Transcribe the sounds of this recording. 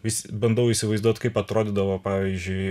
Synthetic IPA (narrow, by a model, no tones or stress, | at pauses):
ʋʲɪsʲɪbɐnd̪ɐʊisʲɪʋɐɪzd̪uɔt̪kɐɪpɐt̪ɾoːd̪ʲɪd̪ɐʋopɑːʋʲizʲd͡ʒʲʊɪ